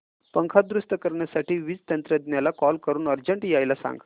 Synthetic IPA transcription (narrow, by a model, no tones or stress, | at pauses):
pəŋkʰad̪ɾust̪əkəɾɳjasaʈiːʋid͡zt̪ənt̪ɾəd̪njalakɔlkəɾuːnəɾd͡ʑəɳʈjajlasã̰ŋɡ